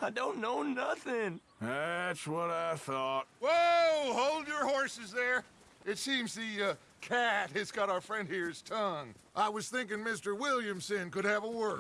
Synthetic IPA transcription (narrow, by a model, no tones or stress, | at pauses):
aɪdõʊ̃nːoʊnʌθɪ̃ŋ | ðætswʌɾaɪθɔt̚woʊhoʊlˠdə˞hɔɹsɨzðə˞ | ɨtsĩmzðɨʌ | kʰæt̚hɨzɡɑɾaʊə˞fɹɛ̃nd̚hiɹz̥tʰʌ̃ŋʔaɪwʌz̥θɪ̃ŋkɪ̃ŋmɪstə˞wɪlˠjɨ̃msɨ̃nkɨɾ̚ɨvəwɜ˞